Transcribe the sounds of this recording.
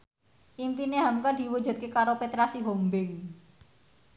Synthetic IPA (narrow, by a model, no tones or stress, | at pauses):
ʔimpineɦamkad̪̥i̤wud̥ʒṳd̪̚kekaɾopet̪ɾasiɦombɪŋ